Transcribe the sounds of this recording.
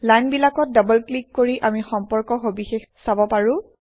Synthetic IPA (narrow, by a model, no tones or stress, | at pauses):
lajnbilakɔt̚dabɔlklikːoɹiʔamixɔmpɔɹkɔɦobixexsabɔpaɹʊ̃